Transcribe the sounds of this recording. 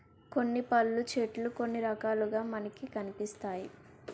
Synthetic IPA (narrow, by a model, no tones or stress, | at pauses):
ko̞nːipɐlːut͡ʃeːʈluko̞nːiɾɐkaːluɡaːmɐnɐkikɐnipist̪aːji